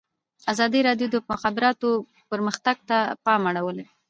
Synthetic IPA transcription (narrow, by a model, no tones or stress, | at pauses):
azɑd̪iɾɑɖjod̪əʊxabɪɾɑt̪o | pəɾməxt̪aɡ̚t̪apɑmaɽawəle